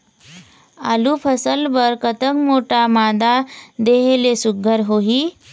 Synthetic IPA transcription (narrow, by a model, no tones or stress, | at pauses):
a̰lupʰəsəlbəɾkət̪əkmoʈamad̪ad̪eɦelesuɡʱəɾɦoɦiː